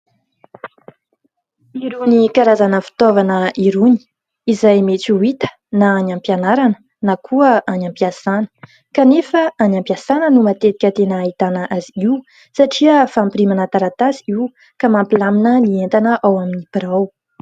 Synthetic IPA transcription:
iɾunikaɾazanəfi̥t̪ovanəʔiɾuni̥ | izajmet͡suit̪ə̥ | naanampjanaɾanə̥ | nakʰuəʔanãmpiasanə̥ | kanefəanampiasanənumat̪et̪i̥kʲət̪enəːɦit̪anəʔaziiu | saʈ͡ʂiəfampiɾimanat̪aɾat̪aziiw | kamampilaminənient̪anəʔawaminipiɾaw

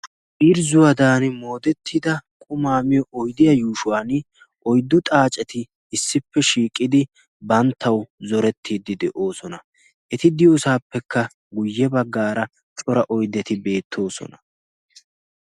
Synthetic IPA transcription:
ʔiɾzʊwɐd̪aːnɪmo̞ːd̪ɛt̪ʰːɪd̪ɐkʼʊmaːmɪjɔʔɔjd̪ɪjɐjuːʃʊwaːn | ʔɔjd̪ːʊt̪ʼaːt͡ʃʼɛt̪ɪː | sːɪpːɛʃiːkʼːɪd̪ɪ | bɐnt̪ʰːɐwzɔɾɛt̪ʰːiːd̪ɪd̪ɛʔo̞ːsɔnɐ | ʔɛt̪ɪd̪ɪjoːsaːpːɛkːɐ | ɡʊjːɛbɐɡːaːɾɐ | t͡ʃʼɔɾɐʔɔjd̪ɛt̪ɪbe̞ːt̪ʰːo̞ːsɔ̰nɐ

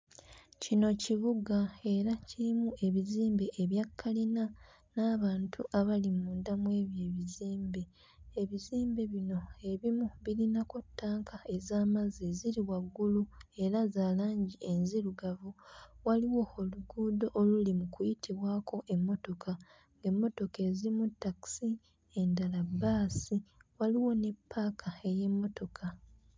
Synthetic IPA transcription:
cino̞ciβuɡae̞ɾaciɾimuʔe̞βiziːmbeʔeβjakʰːalina | naːβaːntʰṵʔaβalimuːndamwe̞ːβje̞ːβiziːmbe | eβiziːmbe̞βino̞e̞βimuβilinako̞tːaːŋkʰae̞zaːmazeziɾiwaɡːulue̞ɾazaːlaːɲɟie̞nziɾuɡavuwaliwo̞oluɡuːdo̞ʔolulimukujitʰiβwaːkʰo̞ʔe̞mːo̞to̞kʰa | ŋɡemːo̞to̞ke̞ziɾimutːaki̥si | e̞ndalabaːsiwaliwo̞ne̞pʰːaːkʰae̞je̞mːo̞to̞kʰa

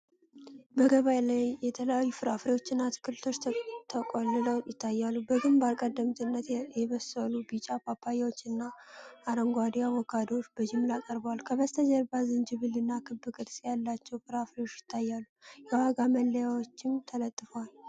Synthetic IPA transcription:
bəɡəβajlajjɛt̪ʰələjajːufɨɾafɾewo̞t͡ʃːɪnːat̪ʰɨ̥kːɨlt̪ʰo̞t͡ʃːt̪ʰəkʼolɨləwjɪt̪ʰːajːalːubəɡɨmbalkʼəd̪ːəmt̪ʼɨnːət̪jɛβəsəlubit͡ʃʼapʰapʰːajawot͡ʃːɨnːaʔːɾəŋɡʷad̪ijawɔkʰad̪ot͡ʃːbəd͡ʒɪmɨlakʼəɾbəwalkʰəβəst̪ʰəd͡ʒəɾbazɨnd͡ʒɨβɨlɨnːakʰɨbːɨkʼɨd̪sʼjalːat͡ʃːɛwfɨɾafɾewo̞t͡ʃːjɪt̪ʰːajːalːujawaɡaməlːəjawot͡ʃːɪmt̪ʰələt̪ʼːɨfəwal

